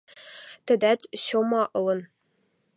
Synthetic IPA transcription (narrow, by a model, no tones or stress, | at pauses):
t̪ɘ̆d̪æt̪ʲɕomɑʔɤ̆lˠɤ̆n